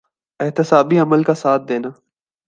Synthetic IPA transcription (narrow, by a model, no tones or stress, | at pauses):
ɪɦt̪ɪsaːbiəməlkasaːt̪̚ʰd̪eːnaː